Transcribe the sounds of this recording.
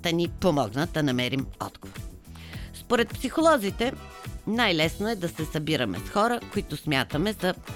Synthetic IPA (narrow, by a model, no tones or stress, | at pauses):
d̪̥ɐnipomɔɡnəd̪ɐnɐmɛɾimɔ̰d̪ɡ̥ovoɾ | spoɾɛt̪̚psixolˠɔzit̪ɛ | najlɛsnoɛd̪ɐsɛsɐbiɾəmɛ̰sxɔɾəkoit̪ʊsmʲjat̪əmɛzɐ